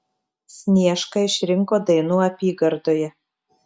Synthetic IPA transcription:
sʲnʲiɛʃkɐɪʃʲɾʲɪŋkoːd̪ɐɪnuːɐpʲiːɡɐɾd̪oːjɛ

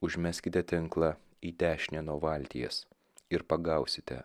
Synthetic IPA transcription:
ʊʒʲmʲæsʲkʲɪt̪ʲɛt̪ʲɪŋklˠɑ | iːt̪ʲæːʃʲɪnʲɛnuɔʋɐˑlʲt̪ʲḭjɛ̰s | ɪɾpɐɡɐˑʊsʲɪt̪ʲɛ̰

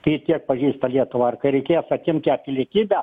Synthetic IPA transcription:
t̪ɐitʲiɛk̚pɐʒʲiːst̪ɐlʲiɛt̪ʊʋɐːrkɐɪɾʲɛɪkʲeːjɛsɐtʲɪmʲt̪ʲæːpʲɪlʲiɛkʲiːbʲæ

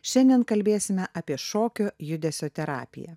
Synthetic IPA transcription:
ʃʲɛnʲd̪ʲiɛnkɐlʲbʲeːsʲɪmʲɛʔɐpʲiɛʃoːkʲoːjʊd̪ʲɛsʲoːt̪ʲɛɾɑ̰ːpʲɪ̰jɛ̰

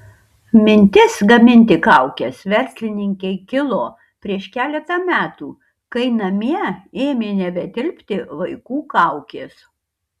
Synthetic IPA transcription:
mʲɪnʲt̪ʲɪsɡɐmʲɪnʲt̪ʲɪkɐʊkʲɛsʋʲɛɾʲsʲlʲɪnʲɪŋʲkʲɛɪkʲɪlˠoː | pʲɾʲiɛʃkʲæːlʲɛt̪ɐmʲæːt̪uː | kɐɪnɐmʲiɛeːmʲeːnʲɛbʲɛd̪ʲɪlʲpʲt̪ʲɪʋɐɪkuːkɐʊkʲeːs

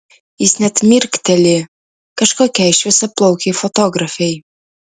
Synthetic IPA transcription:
isnæt̪mirkt̪ɘ̆lʲe | kə̆ʃkɑkæjʃvɘ̆sɘplˠowkifot̪oɡrafej

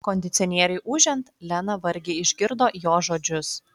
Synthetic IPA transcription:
koːnʲd̪ʲɪt̪sʲoːnʲiɛɾʲɛɪʔʊʒʲɛnt̪lʲɛnɐʋɐɾʲɡʲeːɪʒʲɡʲɪɾd̪oːjoːʒoːd͡ʒʲʊs

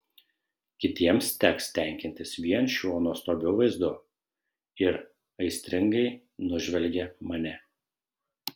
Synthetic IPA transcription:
kʲɪt̪ʲiɛmst̪ʲɛkst̪ʲɛˑŋʲkʲɪnʲt̪ʲɪsʋʲiɛnʃʲuɔnuɔst̪oːbʲɛʊʋɐɪzd̪ʊ | ɪɾ | ɐɪsʲt̪ʲɾʲɪŋɡɐɪ | nʊʒʲʋʲɛlʲɡʲɛmɐnʲɛ

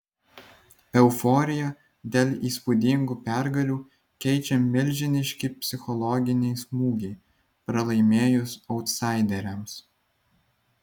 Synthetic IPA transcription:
ɛʊfɔːɾʲɪjɛ | d̪ʲeːlʲˠiːspud̪ʲɪŋɡuːpʲæɾɡɐlʲuː | kʲɛɪt͡ʃʲɛmʲɪlʲˑʒʲɪnʲɪʃʲkʲipʲsʲɪxɔlˠɔɡʲɪnʲɛɪsmuːɡʲɛɪ | pɾɐlˠɐɪmʲeːjʊsɔʊt̪sɑˑɪd̪ʲɛɾʲɛms

